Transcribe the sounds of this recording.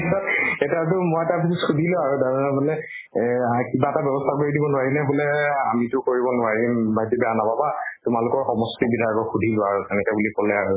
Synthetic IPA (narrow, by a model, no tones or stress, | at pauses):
sɔtɛtatʊmojɛtabʱisitxudʱilʊaɹudaɹnabʊlɛ | akibaɛtabɛbɔstʰakoɹidibɔnʊwaɹinɛbʊlɛamitʊkoɹibɔnʊaɹibajdibɛjanababatʊmalʊkɔɹxɔmɔstibidʱaɹɡɔɹxudʱilʊaɹutɛnɛkɛbulikɔlɛaɹu